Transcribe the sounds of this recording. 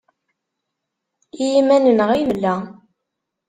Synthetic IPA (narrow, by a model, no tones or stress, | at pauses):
ijimænənəʁimlːæ